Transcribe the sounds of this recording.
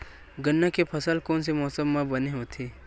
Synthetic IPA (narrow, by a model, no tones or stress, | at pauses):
ɡənːakepʰɐsəlkɔːns̬emɔːsəmːãbɐneɦot̪ʰeː